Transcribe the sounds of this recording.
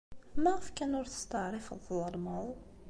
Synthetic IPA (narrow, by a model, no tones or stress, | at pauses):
mæʁəfkænʊɾθə̥st̪əʕɾˤifðˤɑlmɑðˤ